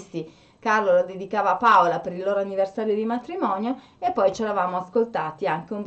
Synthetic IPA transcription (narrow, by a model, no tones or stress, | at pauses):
st̪i | karlolod̪ed̪ikaːvapaolapeɾilːoːɾoanːiversaːɾjod̪imat̪ɾimɔːnjo | epːɔjt͡ʃeɾavaːmoaskolt̪aːt̪iaŋkeumb